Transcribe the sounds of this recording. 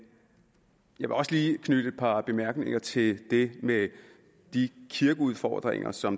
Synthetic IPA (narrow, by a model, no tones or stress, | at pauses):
jɑaɪʋe̝ɒ̽sliːkʰnyd̥əe̝d̥̚pʰɑ̈b̥e̝mæɐɡ̥ne̝ŋɐt͡sʰe̝ld̥e̝me | d̥ikʰiɐɡ̥əuð̞ˠfɒ̰ːd̥ʁḛŋɐ̰sɒ̽m